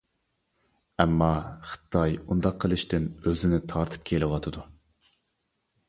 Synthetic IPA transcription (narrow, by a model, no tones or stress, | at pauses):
ɛmːɑχɨ̥t̪ʰɑjund̪ɑqʰːəlˠɨʃt̪ɪnøzɪnɪt̪ʰɑɾt̪ʰɨ̥p̚kʲʰelɪwɑt̪ʰɨd̪u